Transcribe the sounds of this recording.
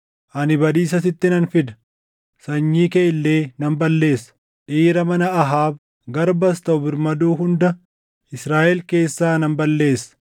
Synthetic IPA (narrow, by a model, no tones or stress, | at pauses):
ʔɐnɪbɐd̪iːsɐs̬ɪt̪ːɪnɐnfɪd̪ɐ̥ | sɐɲːiːkeʔɪlːeːnɐmbɐlːe̞ːsɐ̥ | ʔiːɾɐmɐnɐɐɦaːb | ɡɐɾbɐst̪ɐʔʊbɪɾmɐd̪uːɦʊnd̪ɐ | ɪsɾaːʔɛlke̞ːsːaːnɐmbɐlːe̞ːsːɐ̥